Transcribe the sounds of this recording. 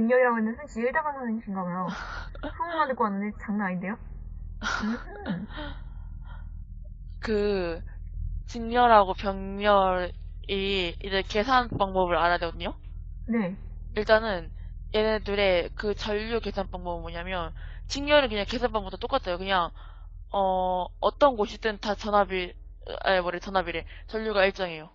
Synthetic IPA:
ɯŋɲjʌɡiɾaɡoɦenːɯnsʰɯnt͡ɕiɭdaɡasʰanɯnɕʰiŋɡaɡɯjosʰuŋɯmandɯkoanːɯndet͡ɕaŋnaɲinde̞jo | ɯ | kɯ | t͡ɕiŋɲʌɾɦaɡopjʌŋɲʌɾ | iid͡ʑeɭke̞sʰanp͈aŋbʌbɯɾaɾadeɡʌdɯɲo | ne | iɭt͈anɯn | je̞nedɯɾe̞kɯt͡ɕʌʎːuke̞sʰanp͈aŋbʌbɯmwʌɲamjʌnt͡ɕiŋjʌɾɯnkɯɲaŋke̞sʰanp͈aŋbʌt͈ʰot͈ok͈at͈ʰʌjokɯɲaŋ | ʌʌt͈ʌnɡoɕʰidɯntat͡ɕʌnɦabḭ | ewʌɾeot͡ɕʌnɦabiɾe | t͡ɕʌʎːjuɡaiɭt͡ɕ͈ʌŋe̞jo

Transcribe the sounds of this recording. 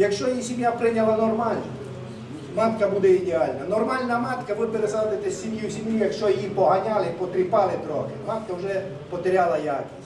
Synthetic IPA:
jɐkʃt͡ʃɔjijisʲimjapɾɪnʲɐlˠɐnɔrmɑlʲnʊ | mɑt̪kɐbud̪ɛid̪ʲeɑlʲnɐnɔrmɑlʲnɐmɑt̪kɐʋɪpeɾezad̪ɪt̪ɛsʲːimjusʲimjujɐkʃt͡ʃɔjijipɔɦɐnʲalˠɪpɔt̪ɾʲɪpɑlˠɪd̪ɾɔɦɪmɑt̪kɐwʒɛ | pɔt̪eɾʲalˠɐjakʲi̥sʲ

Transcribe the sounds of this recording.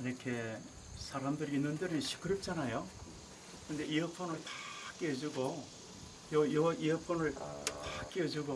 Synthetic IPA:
iɾʌkʰe̞ | sʰaɾamdɯɾiinːɯndɯɾɯnɕʰi̥k͈ʰɯɾɯp̚t͡ɕ͈anajo | kɯnd̪eiʌpʰonɯɭtḁk͈eʌd͡ʑuɡo | jʌjʌʔiʌpʰonɯɭtak͈eʌd͡ʑuɡo

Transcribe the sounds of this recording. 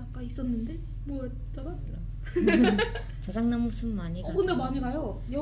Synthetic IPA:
ak̚k͈ais͈ʌnːɯnde̞ | mʌ | t͡ɕʌɡa | a | t͡ɕad͡ʑaŋnamusʰɯmmaɲiɡakɯnde̞maɲiɡajo | jʌ

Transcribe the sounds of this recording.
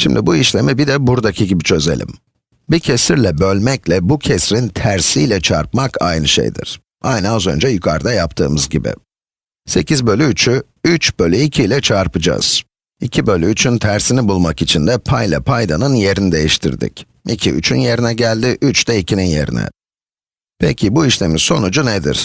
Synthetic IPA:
ʃimd̪ibuiʃlʲe̞mibid̪ɛbuɾd̪acʰiɟibit͡ʃʰø̞ze̞̰lʲḭm | bicʰesiɾlʲɛbø̞lʲmɛclʲɛbucʰesɾint̪ʰæɾsijlʲɛt͡ʃʰa̰ɾpmakʰa̰jnɯʃḛjd̪ḭɾ̥ | a̰jnɯazønd͡ʒɛjykʰaɾd̪ajap̚t̪ʰɯ̰ːmɯzɟibɪ̰ | se̞cʰizbø̞lʲyːt͡ʃʰy | yt͡ʃbø̞lʲyicʰilʲɛt͡ʃʰaɾpɯd͡ʒa̰z̥ | icʰibø̞lʲyːt͡ʃʰynt̪ʰæɾsinibulˠmakit͡ʃʰind̪ɛpʰajlʲˠa̰pʰajd̪anɯnje̞ɾinid̪e̞jiʃt̪ʰḭɾd̪ḭc | icʰiy̰t͡ʃʰynje̞ɾinɛɟælʲd̪ɪʔyt͡ʃd̪ɛicʰininje̞̰ɾḭnɛ̰ | pʰecʲʰibuiʃlʲe̞miz̥so̞nud͡ʒuned̪ḭɾ̥

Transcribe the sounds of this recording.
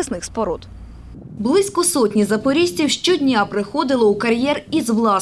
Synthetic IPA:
ɪsnɪxspɔɾɔt̪ | blˠɪsʲkɔsɔtʲnʲizɐpɔɾʲisʲtʲiwʃt͡ʃɔdʲnʲapɾɪxɔd̪ɪlˠɔukɐɾʲjɛrizʋlˠɑ

